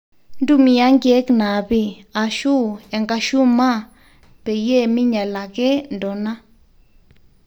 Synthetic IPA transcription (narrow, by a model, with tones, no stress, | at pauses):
ndu˦˨mĩ˧a˦ŋɡje˦kna˨bi˧a˨ʃu˦e˨ŋɡa˧ʃu˦mã˦˨ | pe˨je˦˨mĩ˦ɲa˨la˨ɡe˦ndo˨nã˦